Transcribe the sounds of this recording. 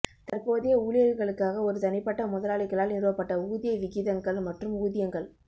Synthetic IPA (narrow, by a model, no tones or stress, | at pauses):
t̪ɐrpoːðɪjɐuːlɪjɐɾɣɐɭɯkːaːɣɐɔɾɯt̪ɐnɪpːɐʈːɐmʊðɐlaːɭɪkːɐɭaːlnɪɾɯʋɐpːɐʈːɐuːðɪjɐʋɪɣɪðɐŋɡɐɭmɐʈrɯmuːðɪjɐŋɡɐɭ